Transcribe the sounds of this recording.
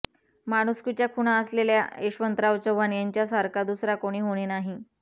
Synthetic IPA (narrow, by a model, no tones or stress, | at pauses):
maɽ̃uskut͡ɕjakʰuɽ̃aəslelja̰eɕʋənt̪ɾaʋt͡ɕəʋanjaɲt͡ɕjasaɾkad̪usɾakoɽ̃iːɦoɽ̃iːnaɦi